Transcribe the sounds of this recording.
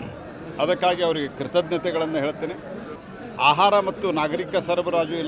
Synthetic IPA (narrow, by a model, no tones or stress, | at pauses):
ɐd̪ɐkːaːɡiɐʋɐɾiɡekɾɪt̪ɐd̪̚nɐt̪ɛɡɐɭɐnːɐɦe̞ːɭt̪ːeːne | aːɦaːɾɐmɐt̪ːunaːɡɐɾikɐsɐɾɐbɐɾaːd͡ʒuilː